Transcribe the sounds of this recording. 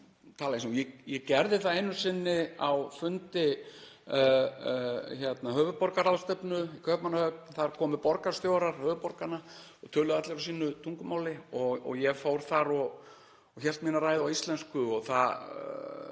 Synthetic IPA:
t̪ʰaːlaĩsujɛjɛcɛɾðɪθaejnʏsɪnːɪawfʏnt̪ɪ | çɛt̪naɦœːvʏpɔɾkaɾaðst̪œpnʏikʰœpnanːahœk̚nθaɾkʰɔːmʏpɔɾkaɾ̥st̪jowɾaɾ̥hœːvʏpɔɾkanaɔt̪ʰœːlʏðat̪lɪfasiːnʏt̪ʰuŋkʏmaːwlɪɔɣɔ̰ɣjɛɣfowɾ̥θaɾɔɣ | ɔçɛlt̪miːnaɾaːjðɪawist̪lɛnskʏɔɣθa

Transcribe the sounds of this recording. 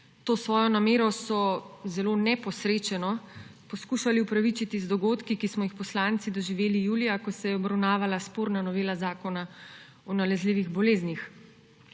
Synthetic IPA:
t̪oːsʋɔːjɔnameːɾɔsɔzɛloːnɛpɔsɾeːt͡ʃɛnɔpɔskuːʃaliupɾaʋit͡ʃit̪izd̪ɔɡoːt̪kikismɔjixpɔslaːnt̪sid̪ɔʒiʋeːlijuːlijakɔsɛjɛɔbɾawnaːʋalaspoːɾnanɔʋeːlazaːkɔna | ɔnalɛzliːʋiɣbɔleːznix

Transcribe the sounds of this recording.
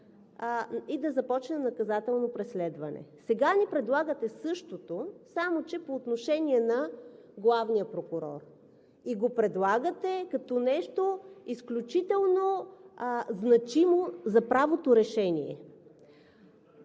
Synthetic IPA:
id̪ɐzɐpɔt͡ʃnɛnɐkɐzat̪ɛlˠnopɾɛslɛd̪vɐnɛ̰sɛɡanipɾɛd̪lˠaɡət̪ɛsɤʃt̪ot̪osamot͡ʃɛpoːt̪noʃɛnʲiɛnɐ | ɡlˠavnijəpɾokʊɾɔ̰r | iɡopɾɛd̪lˠaɡət̪ɛkɐt̪ɔnɛʃt̪oisklʲut͡ʃit̪ɛlˠno | znɐt͡ʃimozɐpɾavot̪oɾɛʃɛnḭɛ̰

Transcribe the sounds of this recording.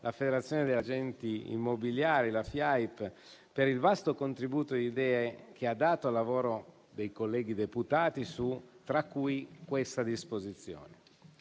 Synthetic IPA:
lʔafed̪eɾat̪sːjoːned̪elːad͡ʒɛnt̪iḭmːobiljaːɾilafjajp | peɾilvast̪okont̪ɾibuːt̪od̪id̪ɛːek̟ʰead̪ːaːt̪oalːavoːɾo | d̪ejkolːɛːɡid̪eput̪aːt̪isut̪ɾakːujkwest̪ad̪ispozit̪sːjo̰ːne

